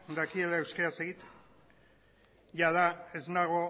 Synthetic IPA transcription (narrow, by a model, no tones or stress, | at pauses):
d̪akie̞lae̞wskeɾaseɣit̪ | jaðae̞znaɣo̞